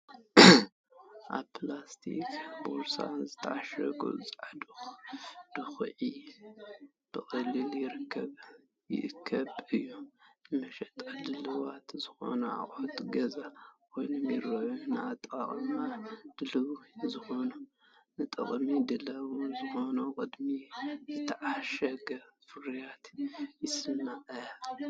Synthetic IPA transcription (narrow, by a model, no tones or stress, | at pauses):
ʔaβpʰlast̪ʰḭkboɾsa̰nzɨt̪ʰaaʃɾɐ̰ɡʼṵt͡sʼʕad̪ɨxd̪̥ɨxʕi | b̥ɨxʼɨlːɨljɪɾɨkʰːɐβ | jɪ̰ʔɨkʰːɐβɨjːunɨmɐʃɛt̪ʼaldɨlɨwat̪zɨxo̞̰nɐa̰χʼot̪ʼɡɐzakʰo̞jnumiɾɐjunɨat̪ʼa̰χʼmad̪̥ɨlɨwzɨxo̞nu | nɨt̪ʼɐ̰χʼmid̪ɨlɐwunzɨxo̞nukʼɨd̪mizɨt̪ʰɐʕaʃɐɡɐfɨɾjat̪jɪsɨmaʔɐ